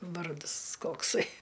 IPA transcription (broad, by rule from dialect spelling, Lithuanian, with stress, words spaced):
ˈʋɐrdɨs ˈkoːksɐɪ